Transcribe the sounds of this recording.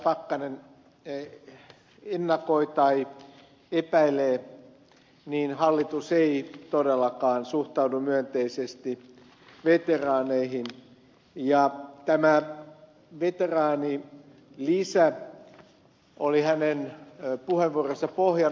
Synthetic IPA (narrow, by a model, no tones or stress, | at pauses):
pɑkːɑnen | enːɑkoit̪ɑi | epæileː | niːnhɑlːit̪useit̪odelːɑkɑːnsuht̪ɑudumyønt̪eisest̪i | ʋet̪erɑːneihin | jɑt̪æmæ | ʋet̪erɑːni | lisæ | olihænenpuheʋʋuorosːɑpohjɑ